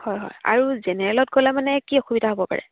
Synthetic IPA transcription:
hɔjɦɔ̰ja̰ɹuzɛnɛɹɛlɔtɡolɛmanɛkiɔxubidʱaɦobɔpa̰ɹɛ̰

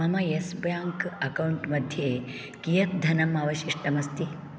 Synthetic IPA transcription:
ɐmɐjesbjaːŋkɐkɐwuɳʈmɐd̪ʱjeː | kijɐt̪̚d̪ʱɐnɐmaːʋɐʃiʂʈɐmɐst̪i

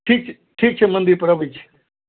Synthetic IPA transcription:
ʈʰiːk̚t͡ʃʰ | ʈʰiːk̚t͡ʃʰemɐ̃nd̪iɾpɾɐʋit͡ʃʰ

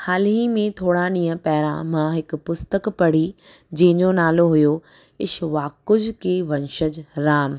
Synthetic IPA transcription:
haːlɦĩmẽt̪ʰoːɽaɗĩːə̃pɛɦɾã̰mãɦɪkpʊst̪əkpɐɽ̤i | d͡ʑɐ̃ɦɪ̃ɲd͡ʑonaːloɦʊjo | ɪʃʋaːkʊd͡ʑʱkeːʋɐ̃nʃəd͡ʑɾaːm

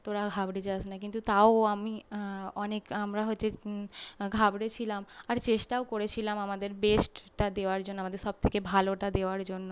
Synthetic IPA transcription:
t̪oɾaɡʱabɽed͡ʑat͡ɕʰnakint̪ut̪aoamiɔnekamɾaɦotːɕʰe | ɡʱabɽet͡ɕʰilamaɾt͡ɕeʃʈaokoɾet͡ɕʰilamamad̪eɾbesʈʈad̪eoaɾd͡ʑonːoamad̪eɾʃɔb̚t̪ʰekebʱaloʈad̪eoaɾd͡ʑonːo

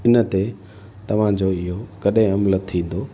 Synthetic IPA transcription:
ɪnə̆t̪e | t̪ɐʋ̤ãd͡ʑoɪɦokɐɗɦẽɐmlət̪ʰːĩːn̆d̪oː

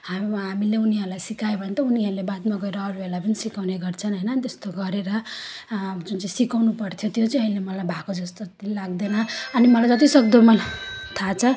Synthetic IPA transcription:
haɦamileuniɦʌɾulajsikajobʱʌnet̪ʌuniɦʌɾulebat̪maɡʌeɾʌːɾubelapʌnisikawneɡʌrt͡sʰʌnɦʌjnʌt̪est̪oɡʌɾeɾʌ | d͡zunt͡saĩsikawnupʌrt̪ʰjot̪jot͡sʌĩʌilemʌlajbʱakod͡zʌst̪olaɡd̪enʌʌnimʌlajd͡zʌt̪isʌɡd̪omʌlt̪ʰat͡sʰʌ

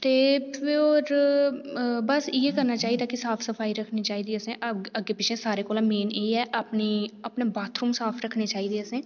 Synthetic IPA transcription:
t̪eːpʰɪoːɾ | bəsɪjeːkəɾnaːt͡ʃaːiːd̪aːkɪsaːpʰsəpʰaːiːɾəkʰniːt͡ʃaːɦiːd̪eːəsẽːʔəɡeːpɪt͡ʃʰẽːsaːɾeːkoːlãːmeːneːiɛːʔəpniːəpneːbaːt̪ɾuːmsaːpʰɾəkʰneːt͡ʃaːɦiːd̪eːəsẽː

